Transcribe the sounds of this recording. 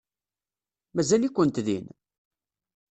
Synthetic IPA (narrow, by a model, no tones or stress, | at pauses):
mæzælikʷːənt̪ðḭn